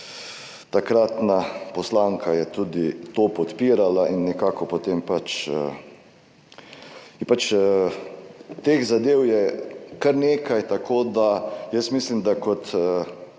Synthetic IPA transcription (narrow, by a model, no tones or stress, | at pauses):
t̪akɾat̪napɔslaŋkʰajɛt̪uːd̪it̪oːpɔt̪piːɾalainːɛkaːkɔpot̪empat͡ʃə̰ | pat͡ʃə | t̪exzad̪eːwjɛkaɾneːkajt̪akʰoːd̪ajəsmislimd̪akɔt̪ə